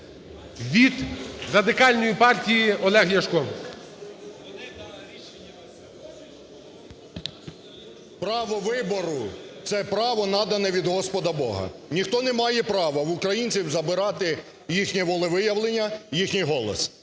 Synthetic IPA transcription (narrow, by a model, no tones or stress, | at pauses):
ʋʲid̪rɐd̪ɪkɑlʲnɔjipɑrtʲijiɔlˠɛɦjɐʃkɔm | pɾɑʋɔʋɪbɔɾʊt̪sɛpɾɑʋɔnɑd̪ɐnɛʋʲid̪ɦɔspɔd̪ɐbɔɦɐ̰nʲixt̪ɔnɛmɑjɛpɾɑʋɐʋʊkɾɐjinʲt͡sʲiwzɐbɪɾɑt̪ɪ | jixnʲiʋɔlˠɪʋɪjɐʋlˠenʲːɐjixnʲijɦɔlˠɔ̰s